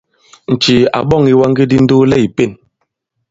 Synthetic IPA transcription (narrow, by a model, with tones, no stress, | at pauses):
n̩˨t͡ʃi˨a̰˨ɓɔ˦˨ŋi˨˦wa˦ŋɡi˦di˦n̩˦du˦lɛ˦˨i˨pe˦˨n